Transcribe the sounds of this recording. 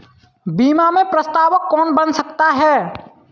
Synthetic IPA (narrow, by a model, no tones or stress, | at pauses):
biːmamẽpɾəst̪aːʋəkːɔːnbənsəkt̪aɦɛː